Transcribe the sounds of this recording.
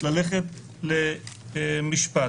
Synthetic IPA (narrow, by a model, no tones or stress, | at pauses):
laleχet̪̚ | le | miʃpa